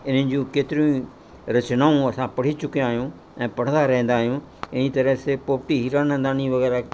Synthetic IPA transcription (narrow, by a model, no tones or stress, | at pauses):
ɪn̤ə̃nɪ̆d͡ʑjũkeːt̪ɪɾjũ | ɾɐt͡ʃnaːũɐsãpɐɽ̤it͡ʃʊkijãːɦjũ | ɛ̃ːpɐɽ̤ə̃nd̪aɾɐɛ̃ɦnd̪aːɦijũ | ɪnit̪ɐɾəsepoːpʈiɦiːɾaːnə̃nd̪aːniʋɐɣɛːɾa